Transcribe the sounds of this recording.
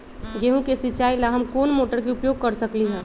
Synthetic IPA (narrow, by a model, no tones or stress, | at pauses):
ɡeɦũkesɪt͡ʃaːilaɦəmkoːnmoːʈəɾkeʊpjoːɡ̚kəɾsəkliɦɛ̃ː